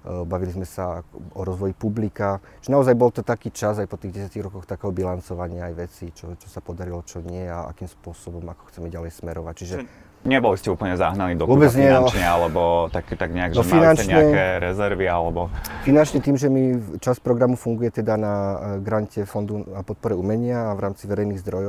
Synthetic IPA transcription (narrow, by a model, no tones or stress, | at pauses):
baʋilizmɛsaɔɾɔzʋɔjipublikat͡ʃiʒɛnaɔzajbɔlt̪ɔt̪akiːt͡ʃazajpɔt̪iːɣɟɛsjaciɣɾɔkɔxt̪akɛɦɔbilant͡sɔʋaɲɪaajʋɛt͡sit͡ʃɔt͡ʃɔsapɔd̪aɾilɔt͡ʃɔɲɪɛaa̰kiːmspʊɔsɔbɔmakɔ̥xt͡sɛmɛɟalɛjsmɛɾɔʋac̚t͡ʃiʒɛ | ɲɛbɔliscɛuːpl̩ɲɛza̰ɦnaniːd̪ɔʋɔbɛd͡zɲɪɛɔɲɛalɛbɔt̪akt̪aɡɲɛaɡʒɔmfilnanɛt͡ʃɲɛaɛɛɾɛzɛɾʋialɛbɔfinant͡ʃɲɛt̪iːmʒɛmit͡ʃaspɾɔɡɾamufuŋɡujɛt̪ɛd̪anaɡɾaɲcɛfɔnd̪uapɔt̪̚pɔɾɛumɛɲɪaːʋɾaːmt͡siʋɛɾɛjniːɣzd̪ɾɔjɔ